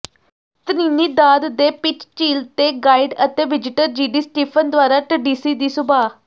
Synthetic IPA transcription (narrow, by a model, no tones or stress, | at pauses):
t̪əniːniːd̪aːd̪d̪eːpɪt͡ʃt͡ʃiːlt̪eːɡaːiɖət̪eːʋɪd͡ʒɪʈəɾd͡ʒiːɖiːsʈiːpʰənd̪ʊaːɾaːʈəɖiːsiːd̪iːsʊbaː